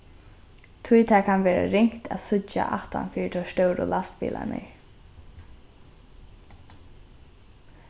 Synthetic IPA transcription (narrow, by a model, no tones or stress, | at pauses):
t̪ʰʊjt̪ʰaːkʰanʋɛːɾa̰ɾɪŋ̥kt̪ʰaðsʊt͡ʃaʔaht̪anfiːɪt̪ʰɔst̪œwɾʊlast̪pḭːlʔa̰nɪ̰